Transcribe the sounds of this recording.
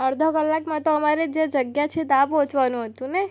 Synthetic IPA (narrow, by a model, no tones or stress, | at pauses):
əɾd̪ʱəkəlːakmãt̪oəmaɾed͡ʒed͡ʒəɡjat͡ʃʰed̪apɦõt͡ʃʋanũɦət̪ũne